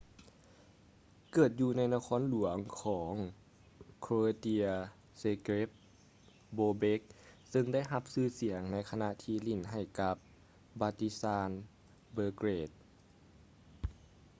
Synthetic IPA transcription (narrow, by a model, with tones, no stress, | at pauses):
kɤː˨˩t̪̚juː˧na˧˥jna˧kʰɔː˧˥˨nlu˨˩˦ɐŋkʰɔː˩˦ŋ | kʰɾoː˧t̪i˧ɐ | se˧kɾe˦˥p̚ | boː˧be˦˥k̚sɤ˧ŋda˥˩˨jɦa˧p̚sɯː˧˥si˨˩˦əŋna˧˥jkʰa˧na˧ʔt̪ʰiː˧li˧˩nɦa˨˩jka˧p̚ | baː˧t̪i˧˥saː˧˥n | bɤː˧kɾeː˧˩t̪̚